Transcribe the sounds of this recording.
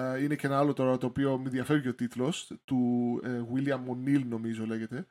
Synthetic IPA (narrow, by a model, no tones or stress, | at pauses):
ine̞cee̞nɐɐlo̞t̪o̞ɾɐt̪o̞ːpio̞miðjɐfe̞vʝio̞t̪it̪lo̞st̪uɣwiliɐmːo̞nːilno̞mizole̞ʝe̞t̪e̞